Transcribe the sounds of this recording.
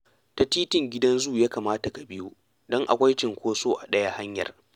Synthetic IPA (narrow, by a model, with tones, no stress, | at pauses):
ta˨tiː˦tɪ˦˨ŋɡʲɪ˦dɐ˦nzuː˦˨jaː˦kaː˨maː˦ta˨ka˨bɪ˦ju˦ | dɔ˦ŋʔa̰˨kʷɐ˦jt͡ʃɪ˨ŋkʷoː˦soː˦ʔa˨ɗɐ˦ja˦ha˦ɲjɐ̰˨r